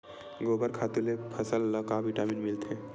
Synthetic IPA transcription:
ɡobəɾkʰat̪ilepʰəsəlːəkabiʈaminmilt̪ʰẽ

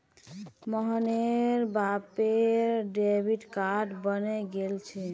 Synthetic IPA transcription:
məɦəneɾbapeɾɖebʱiʈkaʈbəneɡelt͡ʃʰɛ

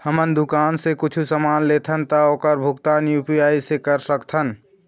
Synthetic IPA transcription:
həmənd̪ukansẽkʊt͡ʃʰusəmanlet̪ʰənt̪əokəɾbʱuɡt̪anjupiaisekəɾsəkt̪ʰən

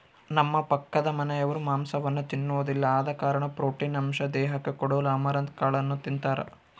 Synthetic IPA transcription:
nɐmːɐpɐkːɐd̪ɐmɐnɛjɐʋɐɾumaːmsɐʋɐnːut̪inːuʋod̪ilːɐaːd̪ɐkaːɾɐɳɐpɾoːʈiːnɐmʃɐd̪ɛːɦɐkːekɔɽuːlɐɐːmɐɾɐnt̪̚kaːɭɐnːut̪int̪aːɾɐ̰

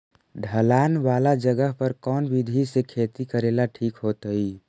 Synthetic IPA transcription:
ɖʱəlaːnʋaːlad͡ʒəɡəɦpəɾkɔːnbɪd̪ʱisekʰeːt̪ikəɾeːlaʈʰiːkɦoːt̪əi

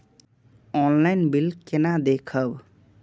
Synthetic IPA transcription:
ɔnlaɪnbilkenad̪ekʰəb

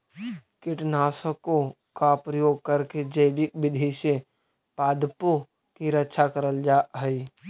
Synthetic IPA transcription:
kɪʈnaːsəko | kapɾəjoːɡ̚kəɾked͡ʒəɪbɪk̚bɪd̪ʱise | paːd̪po | kiɾətːʃʰakəɾəld͡ʒaːɦɛi

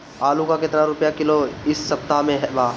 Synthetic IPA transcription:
aːlũkakɪt̪naɾʊpjakɪloɪsːɐp̚t̪aɦmẽɦɛbaː

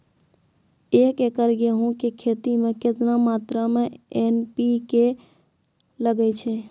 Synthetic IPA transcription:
ekekəɾɡeɦũkekʰet̪imeket̪namat̪ɾameenpike | ləɡɛt͡ʃʰɛ

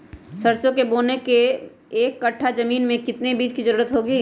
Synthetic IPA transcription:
sɐɾsjõkeboːnekeː | kːɐʈʰːazɐmiːnmẽkɪt̪nebiːd͡ʒkizɐɾuːɾət̪ɦoːɡiː

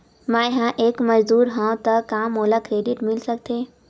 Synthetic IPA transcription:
mãːjɦãʔeːkməd͡ʒd̪uːɾɦãt̪əkaːmɦoːlakɾeːɖɪʈmɪlsɐk̚t̪ʰeː

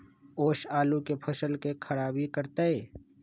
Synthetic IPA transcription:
oːʃaːlukepʰɐʃəlkekʰɐɾaːbʱikəɾt̪aeː

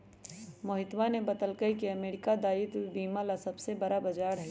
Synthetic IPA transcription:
mɐɦɪt̪wanebɐt̪əlkəikeɐmeːɾɪkad̪aːɪt̪biːmalasɐbsebɐɾabɐd͡ʒaːɾɦɛ

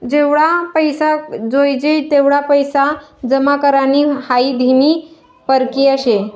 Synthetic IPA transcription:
d͡ʑeʋɽapəjsad͡zojd͡ʑejt̪eʋɽapəjsad͡zəmakəɾaniːhaiːd̪ʱiniː | pəɾkiːəɕe

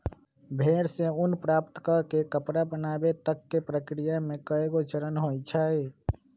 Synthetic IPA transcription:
bʱeɽseunpɾaːpt̪kəkekəpɾabənaːbet̪əkːepɾəkɾijamẽkəeɡot͡ʃəɾənɦojt͡ʃʰae

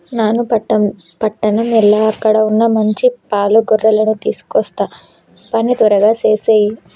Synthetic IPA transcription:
naːnupɐʈːɐm | pɐʈːɐnɐmɛlaːɐkːɐɽɐunːɐmɐɲt͡ʃipaːluɡɔrːɐlɐnut̪iːsu̥kɔst̪aː | pɐnit̪ɐɾɐɡaːt͡ʃe̞ːseːji

